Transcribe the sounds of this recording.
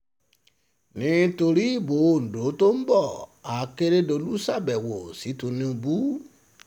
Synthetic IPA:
nĩ˦to˧ɾi˦i˦˨bo˨˦˨n̩˨do˨˦to˦m̩˦bɔ˦˨a˨˧ke˦ɾe˦do˧lu˦sa˦˨bɛ˨wo˨si˨˦to˧nĩ˧˦o˧bu˦

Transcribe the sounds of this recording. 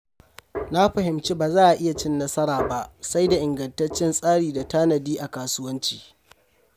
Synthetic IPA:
na˦ɸɐ˨ɦɪ˨mt͡ʃi˦baː˨zaː˦ʔa˨ʔɪ˦ja˨t͡ʃɪ˦nːɐ˦sɐ˦ɽaː˨ba˦ʔsa˦jda˨ʔɪ˨ŋɡɐ˨ntɐ˦t͡ʃːɪ˦nsʼaː˦ɽiː˨da˨taː˦nɐ˨diː˦ʔa˨kaː˨sʊ˦wɐ˦nt͡ʃi̥ː˨

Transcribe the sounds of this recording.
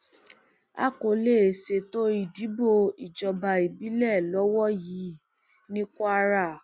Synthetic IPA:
a̰˦ko˨˧le˦˨se˧to˦i˦˨di˨˦bo˦˨i˨d͡ʒɔ˧ba˧i˨bi˨˦lɛ˦˨lɔ˨˦wɔ˦ji˨˦ | nĩ˦kɔ˦a˦ɾa˦˨

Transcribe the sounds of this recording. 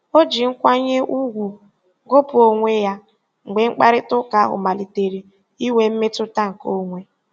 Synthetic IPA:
o˦d͡ʒi˨ŋ̩˦kʷa˦ɲe˦ʔu˦ɡʷu˨ | ɡo˦pʊ˨o˦ŋʷe˦ja˦ | ŋ̩˨ɡ͡be˨ŋ͡m̩˦k͡pa˦ɾɪ˦tʊ˦ka˨˦ɦʊ̰˨ma˨li˨te˨ɾi˨ | i˦we˨m̩˦me˦tʊ˦ta˦ŋ̩˨ko˦ŋʷe˦

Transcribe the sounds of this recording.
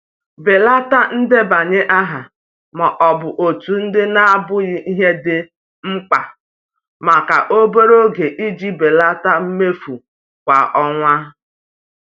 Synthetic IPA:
be˨la˦ta˦n̩˦dɪ˦ba˨ɲe˦ʔa˦ɦa˨ | ma˨ʔɔ˨bʊ˨ʔo˨tu˨n̩˦dɪ˦na˦a˦bʊ˦ɣɪ˦ʔi˦ɦe˦dɪ˦ | ŋ͡m̩˦k͡pa˨ | ma˨ka˨ʔo˦be˦ɾo˦ɡe˨ʔi˦d͡ʒi˦be˨la˦ta˦m̩˦me˦fu˨ | kʷa̰˨ʔɔ˦ŋʷa˦

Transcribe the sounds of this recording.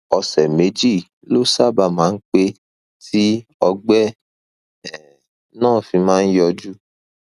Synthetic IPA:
ɔ˧sɛ˨me˨˦d͡ʒi˦˨ | lo˦sa˦˨ba˧˨mãː˨˦n̩˦k͡pe˧ | ti˦ɔ˧ɡ͡bɛ˦ | ɛ˨ | nãː˦˨fĩ˧mãː˦n̩˦jɔ˧d͡ʒu˦

